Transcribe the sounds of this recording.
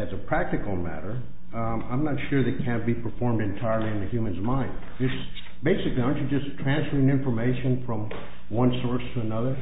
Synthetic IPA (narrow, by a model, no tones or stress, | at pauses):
ɨzɨpʰɹ̥æk̚tɨkl̩ˠmæ̰ɾə˞ | ã̰ɪ̃mnətʃʊɹðeɪkʰæ̃nb̥ipʰə˞fɔɹmdɨ̃ntʰaɪə˞lˠiɨ̃nɨhjʉmɨ̃nzmãɪ̃nd | ðɪs | b̥eɪsɨkliãʃɨd͡ʒʌstʰɹ̥æ̃nsfə˞ɪ̃ŋɪ̃ɱfə˞meɪʃɨ̃nfɹʌ̃m | wʌ̃nsɔɹstʰəənʌðə˞